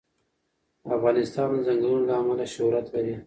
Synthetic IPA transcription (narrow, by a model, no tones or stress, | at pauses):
afɣɑnɪst̪ɑnzaŋɡlunlaːmalaʃʊɾat̪laɾi